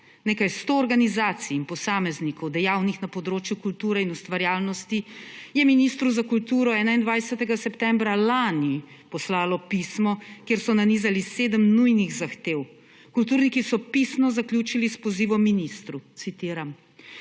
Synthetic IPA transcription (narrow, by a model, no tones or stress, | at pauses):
neːkajst̪oːɾɡanizaːt̪siːnpɔsaːmɛznikɔwd̪ɛjawnixnapɔd̪ɾoːt͡ʃjukult̪uːɾɛinust̪ʋaɾjaːlnɔst̪ijɛminist̪ɾuzakult̪uːɾɔɛːnaind̪ʋajsɛt̪ɛɡasɛpt̪ɛmbɾalanipɔslaːlɔpismɔkjeɾsɔnaniːzaliseːd̪əmnujniɣzaxt̪ew | kult̪uɾnikisɔpisnɔzaklʲjuːt͡ʃilispɔziːʋɔmːinist̪ɾut̪sit̪iːɾam